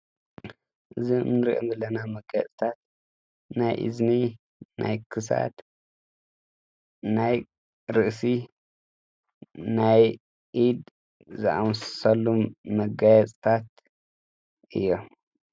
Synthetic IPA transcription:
ʔɨzḭnːɨɾḭʔo̰mbɐlɐnamɐɡajɛ̰t͡sʼt̪ʰat̪̚ | najʔḭzni | na̰jkʰɨs̬a̰t̪ | naj | ɾɨʔsi | naj | ʔid̪ | zaʔawssɐlːuːɐɡajɛt͡sʼt̪ʰat̪ | ʔɨ̰jːo

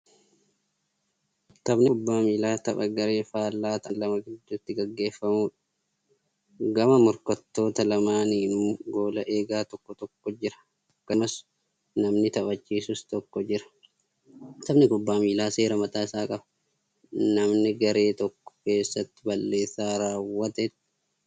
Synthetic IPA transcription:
t̪ɐbnɪbːaːmiːlaːt̪ɐpɐɡɐɾeːfaːlːaːt̪ɐnlɐmɐɡɪd̪ːʊt̪ːɪɡɐɡːe̞ːfːɐmuːᶑɐ̥ | ɡɐmɐmʊɾkɐt̪ːo̞ːt̪ɐlɐmaːniːnbo̞ːlɐʔe̞ːɡaːt̪ɔkːɔt̪ɔkːɔd͡ʒɪɾɐ̥ | ɐkːɐmɐs | nɐmnɪt̪ɐbɐt͡ʃːiːsʊst̪ɔkːɔd͡ʒɪɾɐ̥ | t̪ɐbnɪkʊbːaːmiːlaːse̞ːɾɐmɐt̪ʼaːɪsaːkʼɐbɐ̥ | nɐmnɪɡɐɾe̞ːt̪ɔkːɔ̥ke̞ːsːɐt̪ːɪbɐlːe̞ːsːaːɾaːwːɐt̪ɛt̪ː

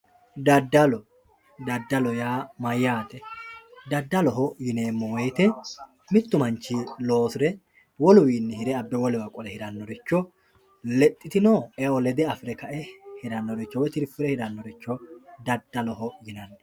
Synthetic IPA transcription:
d̪ɐd̪ːɐlɔ | d̪ɐd̪ːɐlɔjaːmɐjːaːt̪ɛd̪ɐd̪ːɐlɔɦɔjɪneːmːɔwɔjt̪ɛ | mɪt̪ːʊmɐnt͡ʃːilo̞ːsɪɾɛ | wɔlʊwiːnːɛhɪɾɛɐbːɛwɔlɪwɐkʼɔlɛhɪd̪ɐnːɔɾɛt͡ʃːɔ | lɛt̪ʼːɪt̪ɪnoːɛɔlɛd̪ɛɐfɪɾɛkɐʔɛhɪd̪ɐnːɔd̪ɛt͡ʃːɔwɔjt̪ɪɾfɪɾɛhɪd̪ɐnːɔd̪ɛt͡ʃːɔd̪ɐd̪ːɐlɔhɔjɪnɐnːɐ

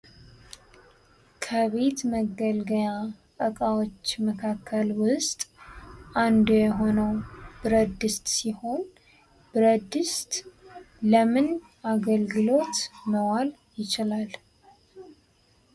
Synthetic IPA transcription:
kʰəβe̞t̪məɡəlɡəjakʼəkʼawo̞t͡ʃːməkʰakʰːəlwʊst̪ʼʔand̪ujɛɦo̞nəwbɨɾəd̪ɨst̪ʼsiho̞n | b̥ɨɾəd̪ɨst̪ʼ | ləmɨn | aɡəlɡɨlo̞t̪məwal | jɪt͡ʃɪlal

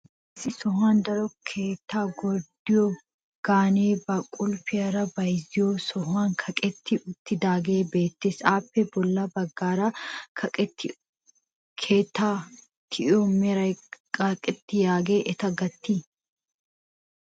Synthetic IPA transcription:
ɪsɪsɔɦaːnd̪ɐɾɔkʰeːt̪ːaːɡɔd̪ɪo | ɡ̥aːneːbɐkʼʊlfɪɐɾɐbɐjzɪjoːsɔɦaːŋkʰɐkʼɛt̪ːɪʊt̪ːɪd̪aːɡeːbe̞ːt̪ːɪsaːpːɛbɔlːɐbɐɡːaːɾa | kʰeːt̪ːaː | t̪ʰɪʔomɛɾɐkʼɐkʼɪt̪ːɪjaːɡeːʔɛt̪ɐɡɐt̪ːi

